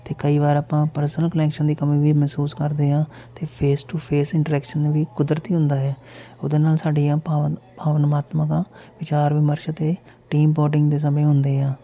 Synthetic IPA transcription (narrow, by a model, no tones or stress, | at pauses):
t̪eːkəiːʋaːɾaːpãːpəɾsənəlkəlɛːkʃənd̪iːkəmĩːʋiːmɛːsuːskəɾd̪eːãː | t̪eːpʰeːsʈupʰeːsɪ̃ɳʈəɾɛːkʃənːʋiːkʊd̪ɾət̪iːɦʊ̃nd̪aːɦɛː | ʊd̪eːnaːlsaːɖiːãːpaːpaːʋənmaːt̪mãːkãːʋɪt͡ʃaːɾʋɪːməɾʃət̪eː | ʈiːmpoːʈɪŋɡd̪eːs̬əmẽːɦʊnd̪eːãː